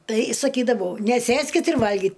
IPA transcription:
tɐɪ sɐˈkʲiːdɐʋɐʊ nʲɛˈsʲeːsʲkʲɪt ɪr ˈʋɐlʲɡʲɪt

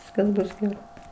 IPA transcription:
ˈʋʲɪskɐs ˈbʊs ɡʲɛˈrɐɪ

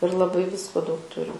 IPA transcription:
ɪr lˠɐˈbɐɪ ˈʋʲɪskoː dɐʊk ˈtʊrʲɪm

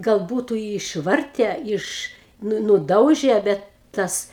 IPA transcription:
ɡɐlˠ ˈbuːtʊ ɪ ɪʃˈʋɐrʲtʲɛ ˈɪʃ ˈnʊ nʊˈdɐʊʒʲɛ ˈbʲɛt ˈtɐs

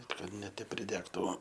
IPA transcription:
kɐt nʲɛ ˈtʲɛp pʲrʲɪˈdʲæːktʊ

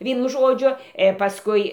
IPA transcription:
ˈʋʲiɛnʊ ˈʒoːd͡ʒʲʊ ɪr pɐsˈkʊɪ

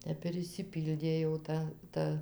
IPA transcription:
ˈtʲɛp ɪr ɪʃʲsʲɪˈpʲiːlʲdʲeː jɛʊ ˈtɐ ˈtɐ

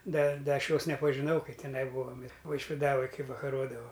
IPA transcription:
ˈdɐ ˈdɐ ˈɐʃ ˈjoːs nʲɛpɐʒʲɪˈnɐʊ kɐɪ tʲɛˈnɐɪ ˈbuːoːm ʋɐɪʃʲʋʲɪˈdɑːʋɐj ˈkɐɪ ʋɐkɐˈroːdɐʋɐʊ

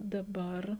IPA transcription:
dɐˈbɐr

